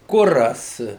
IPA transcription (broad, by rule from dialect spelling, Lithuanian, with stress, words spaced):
ˈkʊrɐs